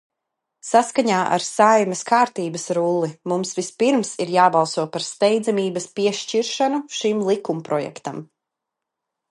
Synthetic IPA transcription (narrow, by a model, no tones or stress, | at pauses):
saskaɲaːʔa̰ɾsajmɛskaːɾt̪iːbɐsɾulˠːimumsvispiɾmsiɾjaːbalˠsuɔpaɾst̪ɛjd̪zamiːbɐspiɛʃt͡ʃiɾʃanuʃimlˠikumpɾɔjɛ̰kt̪am